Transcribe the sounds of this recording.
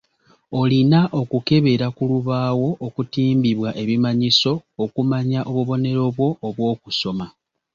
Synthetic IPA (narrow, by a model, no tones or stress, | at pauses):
o̞linaʔo̞kuke̞βe̞ɾakuluβaːwo̞ʔːkutiːmbiβwaʔe̞βimaɲiso̞ːkumaɲaʔo̞βuβo̞ne̞ɾo̞βwo̞ːβwo̞ːkuso̞ma